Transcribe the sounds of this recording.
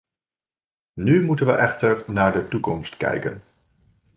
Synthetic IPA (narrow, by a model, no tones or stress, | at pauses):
nymutənʋəʔɛχtəɹnaːɹdətukɔmstkɛ̰jkə̰n